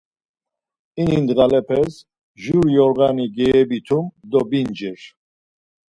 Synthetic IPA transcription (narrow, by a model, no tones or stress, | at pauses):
inind̪ɣalɛpʰɛs | ʒuɾjɔɾɣaniɡɛɛbit̪ʰumd̪ɔbind͡ʒɛɾ